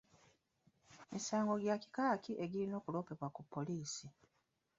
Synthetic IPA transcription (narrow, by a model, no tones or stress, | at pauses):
mʔisaːŋɡo̞ɟjaci̥kaːkiʔe̞ɟilino̞ːkulo̞ːpe̞βwakupːo̞liːsi